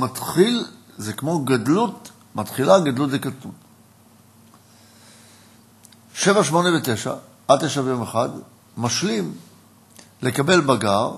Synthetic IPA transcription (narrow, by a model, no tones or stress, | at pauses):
matχilzekmo̞ɡadlut | matχilaɡad̪lutlekat̪un | ʃe̞vaʃmo̞nevete̞ʃa̰ | ʔat̪eʃavejo̞meχad | maʃlim | le̞kabe̞lbaɡaʁ